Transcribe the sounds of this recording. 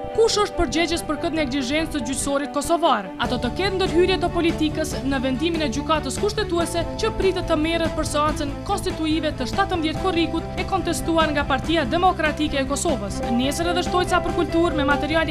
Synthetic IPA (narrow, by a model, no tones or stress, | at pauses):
kuʃəʃt̪̚pəɾd͡ʑɛd͡ʑəspəɾkəðnɛɡliʒɛnt͡st̪əd͡ʑycsɔɾit̪̚kɔsɔvaɾɛat̪ɔt̪əkɛtnd̪əɾɦyɾjɛt̪əpɔlit̪ikəsnəvɛnd̪iminɛd͡ʑykat̪əskuʃt̪ɛt̪uɛsɛt͡ɕəpɾit̪ɛt̪ːəmɛɾət̪̚pəɾsɛant͡sənkɔnst̪it̪uivɛt̪əʃt̪at̪əmðjɛt̪̚kɔriɡut̪ɛkɔnt̪ɛst̪uaɾŋɡapaɾt̪iad̪ɛmɔkɾat̪ikɛɛkɔsɔvəsnɛsəɾɛðɛʃt̪ɔjsapəɾkult̪uɾmɛmat̪ɛɾiali